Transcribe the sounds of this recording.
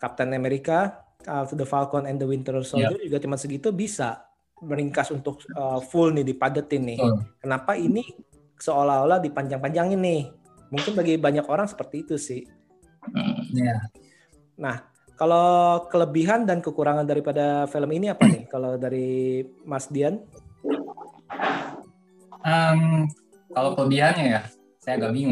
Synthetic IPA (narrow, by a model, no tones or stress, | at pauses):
kap̚t̪ɛnameɾika | ət̪dəfalkɔnɛndəwint̪ərsodud͡ʒuɡat͡ʃəmansəɡit̪ubisa | məɾiŋkasunt̪ʊk̚əfʊlnɪdipadət̪ɪnːɪhkənapaini | səolaoladipaɲd͡ʒaŋpaɲd͡ʒaŋɪnːɪh | muŋkɪnbaɡibaɲakoɾaŋsə̥pərt̪iːt̪usɪh̩ | ja | nah | kalokələbiɦandankəkuɾaŋandaɾipadafiləminiapanɪhkalodaɾimasdian | əm | kalokələbiɦanɲaja | sajaɡamiŋu